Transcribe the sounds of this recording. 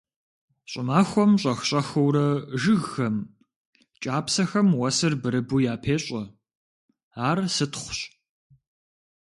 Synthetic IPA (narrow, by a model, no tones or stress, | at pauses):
ɕʼɪmaːxʷɔmɕʼɐxɕʼɐxɐwɾɐʒɨɣxɐm | t͡ʃʼaːpsɐxɐmwɐsɨrbɨɾɨbujaːpʰeːɕʼɐ | aːrsɨtχʷʊɕ